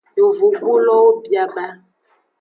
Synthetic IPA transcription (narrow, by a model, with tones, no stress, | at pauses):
jo˨vu˨ɡ͡bu˦lɔ˦wo˦bja˦ba˦